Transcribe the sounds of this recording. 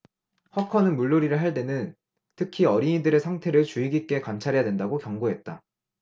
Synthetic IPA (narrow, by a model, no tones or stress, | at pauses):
hʌkʰʌnɯnmuɭːoɾiɾɯɭɦaɭt̬͈e̞nɯn | tʰɯkʰiʌɾiidɯɾe̞sʰaŋtʰe̞ɾɯɭt͡ɕuiɡik͈e̞kant͡ɕʰaɾejadwe̞ndaɡokjʌŋɡoɦe̞t̚t͈a